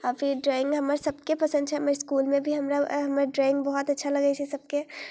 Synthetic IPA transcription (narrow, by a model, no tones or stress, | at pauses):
aːfɪɾɖɾɔːɪ̃ŋɡɦɐmaɾsɐb̚kepɐsə̃nd̪̚t͡ʃʰɛmaɾɪskuːlmẽbʱiɦɐmɾaɦɐmɾeɖɾɔːɪ̃ŋɡbɔɦɔt̪ɐtːʃʰalɐɡəit͡ʃʰɛsɐb̚ke